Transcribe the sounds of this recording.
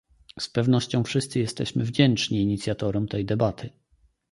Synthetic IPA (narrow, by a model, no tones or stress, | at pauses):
spɛvnɔɕt͡ɕɔ̃w̃fʂɘst̪sɘjɛst̪ɛɕmɘvd͡ʑɛnt͡ʂɲiːɲit̪sʲjat̪ɔɾɔmt̪ɛjd̪ɛbat̪ʰɘ